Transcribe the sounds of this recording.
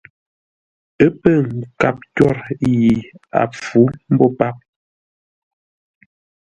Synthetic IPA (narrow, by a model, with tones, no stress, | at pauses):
ə˦pə˦˨ŋ̩˨ka˦˨p̚kɔ˦˨ɾji˨a̰˨p͡fu˨˦m̩˦bɔ˦pa˦p̚